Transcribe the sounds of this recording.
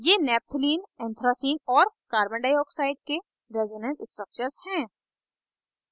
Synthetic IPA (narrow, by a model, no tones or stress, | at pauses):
jeːnɛːp̚t̪ʰliːnɛ̃ːnt̪ʰɾaːsiːnɔːɾkaːɾbə̃ɳɖaːjɔːksaːɪɖ̚ke | ɾeːzonɛ̃nsɪsʈɾək̚t͡ʃəɾzhɛ̃ː